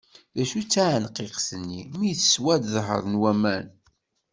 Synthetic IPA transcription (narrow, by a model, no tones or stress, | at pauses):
ðæʃut͡sːaʕənqːeqsənːimijθə̥swæd̪ðɦə̰ɾˤnwæmæn